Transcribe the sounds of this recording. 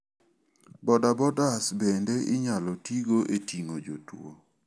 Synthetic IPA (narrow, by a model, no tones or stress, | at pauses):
bɔdabɔdasbendeʔɪɲalɔtiɡoʔetiŋod͡ʒotwo̰